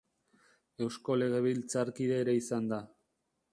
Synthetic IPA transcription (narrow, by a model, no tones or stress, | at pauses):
e̞wsko̞le̞ɣ̞e̞βilt͡saɾkiðe̞ːɾe̞isand̪a